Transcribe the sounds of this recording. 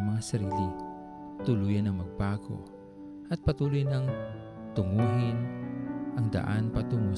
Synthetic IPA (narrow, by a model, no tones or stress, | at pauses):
mɐŋasɐɾiːlɪ | t̪ʊlujɐnɐŋmɐɡ̚baːko̰ | ʔɐt̪̚pɐt̪uːlʊjnɐŋ | t̪ʊŋuːɦɪnʔɐŋd̪ɐ̰ʔanpɐt̪ʊŋu